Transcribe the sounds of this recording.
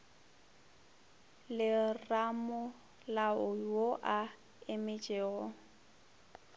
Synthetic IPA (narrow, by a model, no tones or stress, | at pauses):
lɪramʊ | laʊwoʔa | emɪt͡ʃʼeːɣɔ